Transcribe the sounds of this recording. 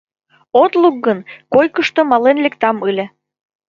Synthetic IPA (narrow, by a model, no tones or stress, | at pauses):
ot̪luk̚ɡənkojkəʃt̪omɑlenlekt̪ɑmɯlʲĕ